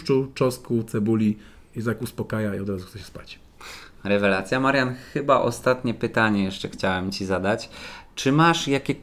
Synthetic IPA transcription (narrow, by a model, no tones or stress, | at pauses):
t͡ʂut͡ʂɔskut̪sɛbulʲi | jɛzakuspɔkajaiɔd̪ɾazuxt̪sɛɕɛ̥spat͡ɕ | ɾɛvɛlat̪sʲjamaɾjanxɘbaʔɔ̰st̪at̪ɲɛpɘt̪aɲɛjɛʂt͡ʂɛxt͡ɕawɛmt͡ɕizad̪at͡ɕt͡ʂɘmaʂjakʲɛ